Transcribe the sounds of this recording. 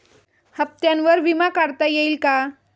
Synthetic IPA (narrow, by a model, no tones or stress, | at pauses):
həp̚t̪jãnʋəɾʋimakaɾt̪ajeiːlka